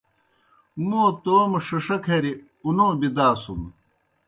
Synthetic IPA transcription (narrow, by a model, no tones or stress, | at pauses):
muːt̪oːmɐʂɐʂɐkʰeɾi | unoːbid̪aːsum